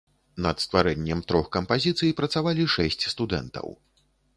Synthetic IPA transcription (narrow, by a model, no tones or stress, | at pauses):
nɐt̪st̪vaɾɛnʲːɛmt̪ɾɔxkɐmpazʲit̪sɨjipɾɐt̪savalʲiʂɛsʲt͡sʲst̪ud̪ɛ̰nt̪ɐ̰w